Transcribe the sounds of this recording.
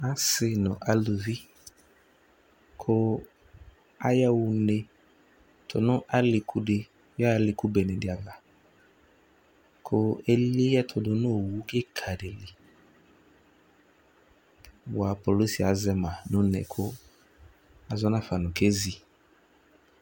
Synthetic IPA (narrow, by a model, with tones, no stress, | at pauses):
a˦sɪ˦nʊ̃˨ʔa˦lo˨vi˦ | kʰʊ˦ | a˦jɛ˦wʊ˨ne˨ | tʰʊ̰˨nʊ̃˦ʔa˦lɪ˨kʰu˦dɪ˦ | jɔ˦˨˦lɪ˨ku˦bɛ˨nɛ̃˨dɪ˨a˨va˨ | kʰʊ˦e˦li˦jɛ˦tʰʊ˨dʊ˨nʊ̃˦o˨wu˦kɪ˦kʰa˨dɪ˨li˨ | wʊ˨a˨po˨lo˦si˨a˨zɛ˦mã˨nʊ̃˦nɛ̰˨kʰʊ˦ | a˨zɔ˦nã˦fa˨nʊ̃˨kʰe˦zi˨